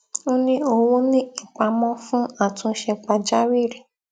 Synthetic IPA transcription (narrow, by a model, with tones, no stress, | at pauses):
o˦nĩ˦o˧wũ˦nĩ˦i˦˨k͡pa˧mɔ̃˦fũ˦a˦˨tũ˧˦ʃɛ˧k͡pa˧d͡ʒa˦wi˦˨ɾe˨